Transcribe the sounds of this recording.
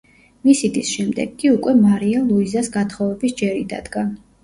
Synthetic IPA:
misid̪isʃɛmd̪ɛ̰ɡːiukʼwɛmaɾialˠuizasɡat̪ʰχɔvɛbisd͡ʒɛɾḭd̪a̰d̪ɡa

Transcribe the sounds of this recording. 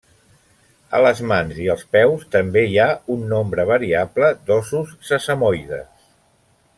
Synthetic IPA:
ə̰ləzmanziəlˠspɛwst̪əmbeiaunːombɾəβ̞əɾiabləd̪ɔsusːəsəmojðə̰s

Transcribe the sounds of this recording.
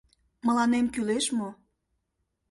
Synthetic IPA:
məlɑnemkyleʃmo

